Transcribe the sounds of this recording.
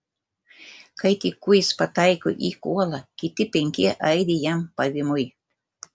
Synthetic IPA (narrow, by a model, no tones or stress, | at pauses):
kajt̪ikʊjspat̪ajko̰ʔikualakɪt̪ɪpeŋkeʔajd̪ijampaβɪmʊj